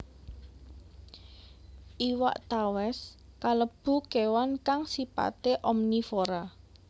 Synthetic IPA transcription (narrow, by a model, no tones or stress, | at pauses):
ʔiwa̰ʔt̪awɛs | kaləb̥ṳkewankaŋsipa̰t̪eʔɔmnifoɾa